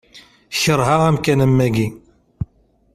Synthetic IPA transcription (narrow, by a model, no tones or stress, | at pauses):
çəɾˤɦaʁæmkænəmːæɡi